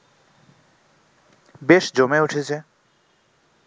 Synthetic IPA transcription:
beʃd͡ʑomeuʈʰet͡ɕʰe

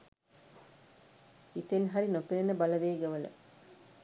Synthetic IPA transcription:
it̪enɦɐɾinopiɾɐnəbɐlɐʋeːɡɐʋɐlə̰

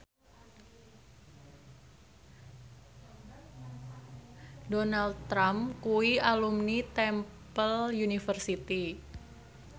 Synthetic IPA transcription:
donald̪̚t̪ɾamkuialumnit̪ɛm | pəljunifərsit̪i

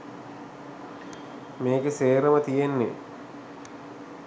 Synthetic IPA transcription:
meːkeseːɾəmət̪ijenːḛ

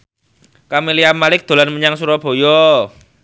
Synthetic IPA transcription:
kamiliamalɪk̚d̪̥o̤lanməɲaŋsuɾɔb̥o̤jɔ

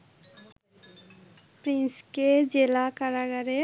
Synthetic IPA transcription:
pɾinsked͡ʒelakaɾaɡaɾe

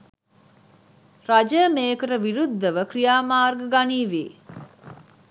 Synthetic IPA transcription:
rad͡ʒəmeːkəʈəʋiɾud̪ʱːəʋəkrijaːmaːrɡəɡaniːʋḛː

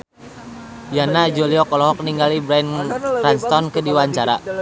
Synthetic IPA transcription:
janad͡ʒoliɔkɔlɔɦɔk̚niŋɡalibɾanranst̪ɔnkɨdiwaɲt͡ʃaɾa

